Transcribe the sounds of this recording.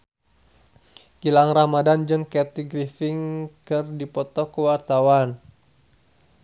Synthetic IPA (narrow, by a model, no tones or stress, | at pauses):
ɡilaŋramadand͡ʒəŋkɛt̪iɡɾifiŋkɨrdipɔt̪ɔkəwart̪awan